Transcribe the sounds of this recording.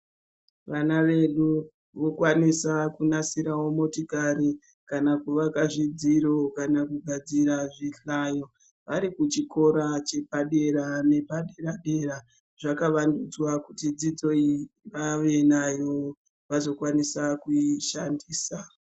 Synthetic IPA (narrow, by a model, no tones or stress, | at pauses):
ʋanaʋe̞ɗu | ʋo̞kwanisakunasiɾawomo̞tokaɾi | kanakuʋakaʐid͡ziɾo̞kanakuɡʱad͡ziɾaʐiɬajo̞ | ʋaɾikut͡ʃiko̞ɾat͡ʃe̞paɗe̞ɾane̞paɗe̞raɗe̞ra | ʐakaʋandud͡zwakutid͡zid͡zo̞iʋaʋe̞najo̞ | ʋazo̞kwanisakuiʃandiːsa